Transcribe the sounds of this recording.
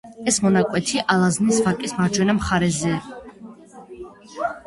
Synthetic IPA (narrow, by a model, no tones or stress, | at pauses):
ɛsmɔnakʼwɛt̪ʰiʔalaznisvakʼismaɾd͡ʒwɛnamχaɾɛzɛ